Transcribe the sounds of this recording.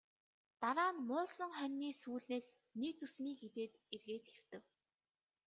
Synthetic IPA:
t̪aɾaːnmʊːɮsə̆ŋχœnʲːiːsuːɮneːs | niːt͡sɵsmiːɡet̪eːt̪erɣeːt̪xew̥t̪ɘ̆w

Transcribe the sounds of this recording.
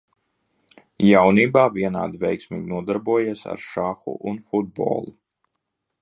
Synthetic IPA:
jawniːbaːviɛna̰ːd̪ivʲɛjksmḭːɡʲnuɔd̪aɾbuɔjiɛsa̰ɾʃaxṵʔunfud̪̚bo̰ːlˠu

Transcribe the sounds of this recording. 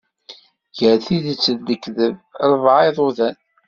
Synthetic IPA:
jəɾθiðət͡sːəðd̪əkːðəvɾˤvʕɪðˤʊðæn

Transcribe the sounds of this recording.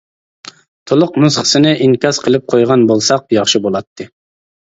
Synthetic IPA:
t̪ʰolˠʊqnusχə̥sɨnɨʔiŋkʲɑsqʰəlˠɨp̚qʰojʁɑnbolˠsɑq̚jɑχʃibolˠɑt̪ʰːɨ

